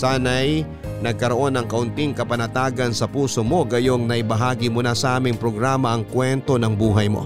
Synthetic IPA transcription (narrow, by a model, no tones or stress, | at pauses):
saːnɐj | nɐɡ̚kɐɾoʔo̞nɐŋkɐʔʊnt̪iŋkɐpɐnɐt̪aːɡɐnsɐpuːso̞mo̞ɡɐjoŋnɐʔɪbɐɦaːɡimʊnasɐʔaːmɪŋpɾo̞ɡɾaːmɐʔɐŋkwɛnt̪o̞nɐŋbuːɦɐjmo̞̰